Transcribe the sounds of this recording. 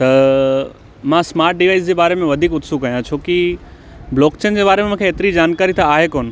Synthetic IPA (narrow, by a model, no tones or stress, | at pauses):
t̪ɐ | mãsmaːɾʈ̚ɖiʋaːɪsd͡ʑeːbaːɾemẽʋɐd̪ʱiːkʊt̪sukɐjãt͡ɕʰoːki | blɔːkt͡ɕeːnd͡ʑeːbaːɾemẽmũːkʰeeːt̪ɪɾid͡ʑaːnkaːɾit̪ʰaːɦekoːnɪ̆